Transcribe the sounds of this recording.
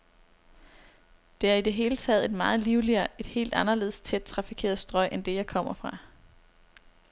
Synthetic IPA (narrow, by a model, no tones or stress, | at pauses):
d̥e̝æɐid̥e̝ɦe̝ːlət͡sʰɛ̰ːð̞̩ˠe̝d̥mɑ̈ːð̞̩ˠliʊliɐe̝d̥he̝̰ːld̥ɑnɐle̝̰ð̞ˠst͡sʰed̥̚t͡sʰʁɑ̈fikʰe̝̰ːɐð̩ˠsd̥ʁɒ̽ɪ̰ʔend̥e̝jɑ̈ɪkʰɒ̽m̰ɐfʁɑ̈